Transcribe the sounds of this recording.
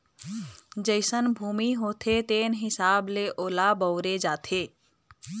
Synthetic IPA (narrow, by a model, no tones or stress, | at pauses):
d͡ʒəɪsənbʱuːmiɦoːt̪ʰet̪eːnɦɪsaːbleʔoːlabəːɾed͡ʒaːt̪ʰeː